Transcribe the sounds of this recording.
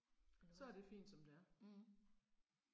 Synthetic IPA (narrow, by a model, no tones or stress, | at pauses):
sɒ̽æɐd̥e̝fḭːnd̥sɒ̽md̥eæɐ